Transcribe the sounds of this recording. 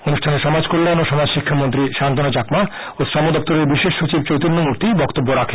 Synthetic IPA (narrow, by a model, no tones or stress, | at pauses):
onuʃʈʰaneʃɔmad͡ʑkoɾlenoʃɔnaʃikʰːamont̪ɾiʃant̪onot͡ɕakma | osɾɔmod̪ɔp̚t̪oɾeɾbiʃeʃːot͡ɕib̚t͡ɕowt̪inːomuɾt̪ijbɔkt̪obːoɾakʰe